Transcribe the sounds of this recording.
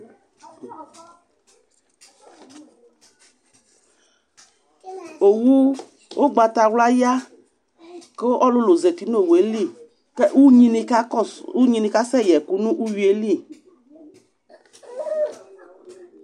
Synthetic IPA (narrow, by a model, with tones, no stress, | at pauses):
o˨wu˦ | o˦ɡ͡ba˨t̪a˨wla˦ja˦ | ke˦ʔɔ˦lʊ˦lo˨zɛ˨ti˨˦n˦o˦˨we˨˦li˦˨ | kɛ˦wu˦ɲĩ˨ni˧ka˦u˦ɲĩ˨ni˨ka˦sɛ˦˨jɛ˨ku˦nũ˦ʔu˦ji˨˦e˦li˦˨